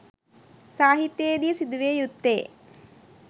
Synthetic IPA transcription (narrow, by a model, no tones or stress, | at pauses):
saːɦit̪jeːd̪ijəsid̪uʋeːjut̪ːḛː